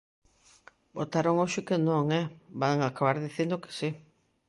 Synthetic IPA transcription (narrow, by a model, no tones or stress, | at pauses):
bot̪aɾoŋoʃekenõŋebaŋakaβaɾðiθend̪oke̥si